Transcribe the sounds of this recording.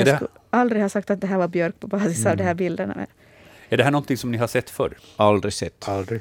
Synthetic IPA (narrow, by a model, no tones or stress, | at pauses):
ɛkald̪ɾɪɡhɑːsakt̪at̪̚d̪ɛɦæːɾvaɾbjœɾk̚pʰɔbɑːsɪsɑːvd̪ɛhæːɾbɪld̪əna̰mɛ̰ | æɖɛɦæːɳɔnt̪ɪŋsɔmnɪɦaʂɛt̪ːfœɾald̪ɾɪsɛt̪ːld̪ɾɪ